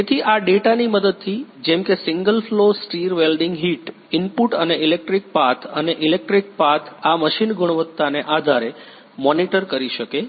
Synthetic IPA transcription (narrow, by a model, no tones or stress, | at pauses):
et̪ʰiʔaɖeʈaniməd̪əd̪̚t̪ʰid͡ʒɛ̃mkesɪŋɡəlflosʈiɾʋelɖiŋɡɦiʈ | ɪmpuʈəneilek̚ʈɾik̚pat̪ʰəneʔilek̚ʈɾik̚pat̪ʰaməʃinɡuɽ̃ʋət̪ːaneʔad̪ʱaɾe | mɔniʈəɾkəɾiʃəke